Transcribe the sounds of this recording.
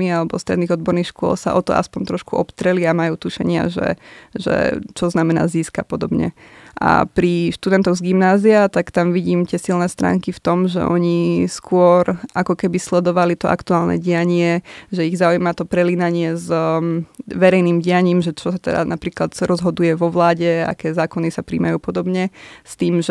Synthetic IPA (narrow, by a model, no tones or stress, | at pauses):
ialɛbɔst̪ɾɛ̰d̪niːɔd̪bɔɾniːxʃkʊɔ̰lsa̰ʔɔt̪ɔ̰ʔa̰spɔnt̪ɾɔʃkuʔɔpt̪ɾɛliamajuːt̪uʃɛ̰ɲɪa̰ʒɛ̰ʒɛ̰t͡ʃɔznamɛna̰ːziːskapɔd̪ɔbɲɛ̰ʔa̰pɾiʃt̪ud̪ɛnt̪ɔʊzɡimnaːziat̪akt̪amʋiɟiːmt̪ɪɛsilnɛst̪ɾa̰ːŋkift̪ɔmʒɛ̰ʔɔɲiskʊɔɾʔakɔkɛbislɛd̪ɔʋalit̪ɔʔa̰kt̪uaːlnɛ̰ɟiaɲɪɛʒɛiɣzaujmat̪ɔpɾɛliːnaɲɪɛz | ʋɛɾɛjniːmɟijaɲiːmʒɛt͡ʃɔsat̪ɛ̰d̪a̰napɾiːklat̪ɾʔɔzɦɔd̪ujɛʋɔʋlaːɟɛa̰kɛːzaːkɔnisapɾḭːmajuːpɔd̪ɔbɲɛst̪iːmʒ